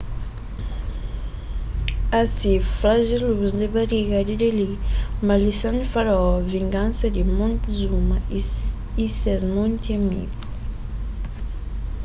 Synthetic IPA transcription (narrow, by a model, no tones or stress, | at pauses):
asiflaʒeluzd̪ebaɾiɣad̪id̪elimalisonifaɾɔviŋɡãnsɐd̪imõnt̪zumɐ | isɛzmõnt̪iamḭɣu